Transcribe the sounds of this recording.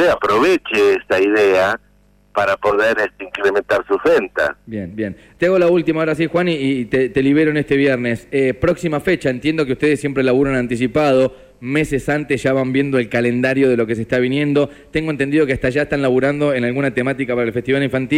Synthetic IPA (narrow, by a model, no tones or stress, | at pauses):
eapɾoβet͡ʃeesaiðea | paɾapoðeɾest̪eiŋkɾement̪aɾsusent̪a̰bjenbjen | t̪eaɣo̞lault̪imaoɾas̬ixwaniːt̪et̪e̞liβ̞eɾoenest̪eβjeɾnesepɾoksimafet͡ʃaent̪je̞nd̪o̞k̬eust̪e̞ð̞esːje̞mpɾelaβuɾonãnt̪isipað̞o̞ | me̞sesant̪esʒ̥aβambje̞nd̪o̞elkalend̪aɾjo̞ðe̞lo̞k̬e̞s̬eht̪aβ̞injẽ̞nd̪o̞ | t̪eŋɡoent̪end̪iðo̞keahst̪aʒaest̪anlaβuɾand̪o̞enalɣunat̪e̞mat̪ikapaɾaelfest̪iβaliɱfant̪i